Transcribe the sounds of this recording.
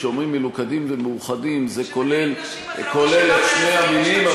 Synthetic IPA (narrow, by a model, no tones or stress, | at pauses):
eomʁimːelukad̪imvemeuχadimzekole̞l | ko̞le̞leʃne̞jaminima